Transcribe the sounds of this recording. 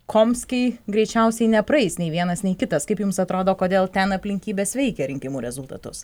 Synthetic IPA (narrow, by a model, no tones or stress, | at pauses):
kʰoːmʲsʲkʲɛɪɡɾʲɛɪt͡ʃʲɛʊsʲɛɪnʲɛpɾɐɛɪsnʲɛɪʋʲiɛnɐsnʲɛɪkʲɪt̪ɐskɐɪpjʊmsɐt̪ɾoːd̪oːkoːd̪ʲeːlˠt̪ʲɛnɐpʲlʲɪŋʲkʲiːbʲeːsʋʲɛɪkʲɛɾʲɪŋʲkʲɪmuːɾʲɛzʊlˠt̪ɐ̰t̪ʊs